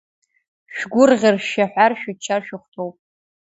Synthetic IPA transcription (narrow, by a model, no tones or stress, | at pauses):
ʃᶣɡʷʊrʁʲɪrʃaħʷarʃᶣʊt͡ʃʰːarʃᶣʊχʷtʰowpʼ